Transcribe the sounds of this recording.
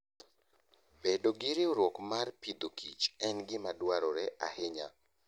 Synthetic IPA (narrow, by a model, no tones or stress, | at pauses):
bedoɡɪɾɪoɾwokmarpid̪okʰit͡ʃɛnɡɪmadwaɾɔɾɛʔa̰hɪɲa